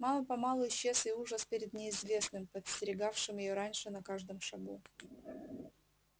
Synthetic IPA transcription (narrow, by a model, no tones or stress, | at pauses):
maməpɐmalˠʊɪɕːe̞sɪuʐəspʲɪɾʲɪd̪nʲɪːzvʲe̞snɨmpət̪sʲtʲɪɾʲɪɡafʂɨmjɪjoɾanʲʂɨnɐkaʐd̪ɨmʂɐɡu